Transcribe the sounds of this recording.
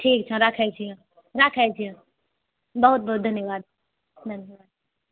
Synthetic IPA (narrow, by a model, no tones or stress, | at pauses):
ʈʰiːk̚t͡ʃʰãɾɐkʰɛt͡ʃʰijã | ɾɐkʰɛt͡ʃʰijã | bɐɦʊt̪̚bɐɦʊt̪̚d̪ʱɐnjəʋaːd̪ | d̪ʱɐnjəʋaːd̪̚